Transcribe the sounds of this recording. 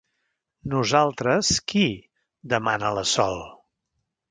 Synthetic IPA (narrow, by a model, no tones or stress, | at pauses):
nuzalˠt̪ɾəski | d̪əmanələsɔlˠ